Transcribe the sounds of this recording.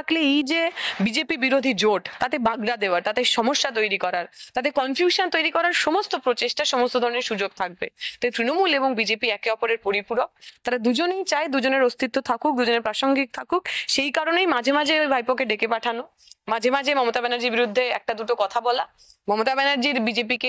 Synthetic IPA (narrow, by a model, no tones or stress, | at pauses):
akleejd͡ʑebid͡ʑepibiɾod̪ʱid͡ʑoʈt̪at̪ebaɡɾad̪eoaɾt̪at̪eɾʃɔmoʃːat̪̬ojɾikɔɾaɾt̪at̪̬ekɔnfjuʃant̪ojɾikɔɾaɾʃomost̪opɾot͡ɕeʃʈaʃomost̪od̪ʱɔɾoneɾʃud͡ʑoɡ̚t̪ʰak̚bḛt̪ajt̪ɾinomuleboŋbid͡ʑepiɛkeɔpoɾeɾpoɾipuɾok̚t̪aɾad̪ud͡ʑonejt͡ɕaed̪ud͡ʑoneɾost̪it̪ːot̪ʰakuk̚d̪ud͡ʑoneɾpɾaʃoŋɡik̚t̪ʰakukʃejkaɾonejmad͡ʑʱemad͡ʑʱebʱajpokeɖekepaʈʰano | mad͡ʑʱemad͡ʑʱemɔmot̪abɛnaɾd͡ʑiɾbiɾud̪ʱːeɛ̰k̚ʈad̪uʈokɔt̪ʰabɔla | mɔmot̪abɛnaɾd͡ʑiɾbid͡ʑep̬ike